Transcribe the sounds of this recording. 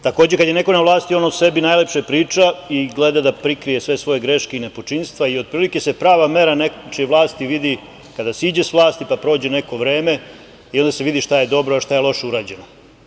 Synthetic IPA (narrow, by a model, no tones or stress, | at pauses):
t̪akoːd͡ʑekad̪je̞ne̞ko̞naʋlˠaːst̪io̞nause̞binaːjlepʃepɾiːt͡ʃaiɡled̪ad̪apɾikɾijesʋe̞sʋo̞je̞ɡɾe̞ʃkeine̞pot͡ʃinst̪ʋaio̞d̪̚pɾiːlike̞se̞pɾaːʋame̞ɾanet͡ʃeʋlˠaːst̪iʋid̪i | kad̪asid͡ʑesʋlˠaːst̪ipapɾo̞ːd͡ʑene̞ko̞ʋɾe̞ːme̞ | io̞nd̪aseʋid̪iʃt̪aje̞d̪o̞bɾoaʃt̪ajelˠo̞ʃuɾaːd͡ʑe̞no